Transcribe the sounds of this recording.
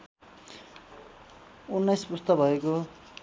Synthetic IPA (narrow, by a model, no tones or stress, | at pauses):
unːʌjspust̪ʌbʱʌeko